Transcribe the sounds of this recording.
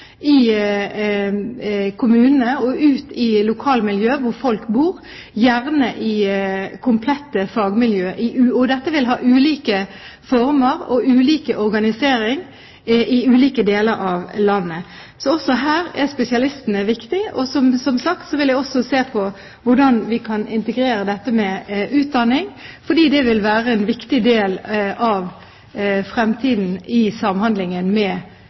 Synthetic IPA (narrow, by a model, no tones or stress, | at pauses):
ɪ | kʰʊmʉːnənəɔʔʉːt̪ɪlʊkʰɑːlmɪljøːʋʊɾfɔlkbuːɾ | jæʁnəʔɪkʰʊmpʰlɛt̪ːəfɑːɡmɪljøːʔɪʔʉːɔd̪ɛt̪ːəʋɪlɦɑ̰ːʔʉːliːkə | fɔɾməɾɔ̰ʉːliːkəʔɔɾɡɑnɪseːɾɪŋ | ʔɪʉːliːkəd̪eːləɾɑʋlɑnːə | sɔɔsɔɦæːɾɛspɛsɪɑlɪst̪ənəʋɪkt̪ɪɔsɔmsɔmsɑkt̪sɔʋɪljæɪɔsɔseːpʰɔ | ʋʊɖɑnʋɪkʰɑnɪnt̪əɡɾeːɾəd̪ɛt̪ːəmɛʉːt̪̚d̪ɑnːɪŋfɔɖiːd̪ɛʋɪlʋæːɾəɛnʋɪkt̪ɪd̪eːlʔɑʋ | fɾɛmt̪ʰiːd̪n̩ɪsɑmhɑnd̪lɪŋənmɛ